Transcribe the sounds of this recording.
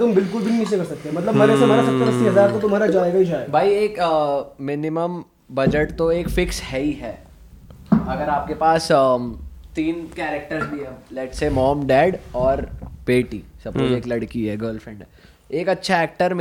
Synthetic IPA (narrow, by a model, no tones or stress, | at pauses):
t̪ʊmbɪlkʊlbʱinit͡ʃẽkɐɾsɐk̚t̪eɦɛmɐt̪ləbmɐɾɛsemaːɾasɐt̪ːəɾəsiɦɐzaːɾt̪ot̪ʊm̤ɦaːɾad͡ʒaːeɡaiʃaːjd̪bʱaːieːkː | ɪnɪməm | bɐd͡ʒəʈt̪oeːkfɪkshɛiɦɛː | ɐɡəɾaːp̚kepaːs | t̪iːnkɛːɾek̚ʈəɾzbʱiɦɛlɛːʈseːmɔːmɖɛːɖɔːɾpeːʈḭsɐb̚kod͡ʒeːklɐɽkiɦɛɡəːɾlfɾɛ̃ːɳɖ | eːkɐtːʃʰaɛːk̚ʈəɾm